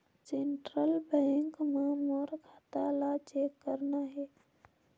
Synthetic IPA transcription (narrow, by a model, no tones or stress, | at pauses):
seːɳʈɾəlbɛ̃ŋkmãmoːɾkʰət̪aːlat͡ʃeːkːəɾnaɦeː